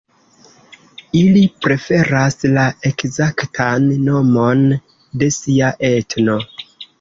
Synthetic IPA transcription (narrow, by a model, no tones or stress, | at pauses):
ilipɾe̞fe̞ɾaslae̞kzaktʰanːo̞mon | de̞siaʔe̞tno̞